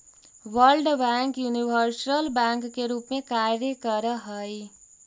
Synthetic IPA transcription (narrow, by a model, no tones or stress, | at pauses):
ʋəɾlɖbɛ̃ːŋkjuniʋəɾsəlbɛ̃ːŋkːeɾuːpmẽkaɾjəkəɾəɦəi